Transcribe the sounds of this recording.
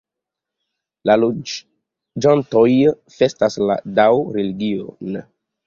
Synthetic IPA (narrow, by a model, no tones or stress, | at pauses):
lalo | d͡ʒanto̞j | fe̞stasla̰dawɾeliɡion